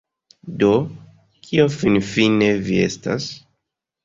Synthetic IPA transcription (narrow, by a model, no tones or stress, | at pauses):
do̞ | kʰiofinfine̞vie̞̰sta̰s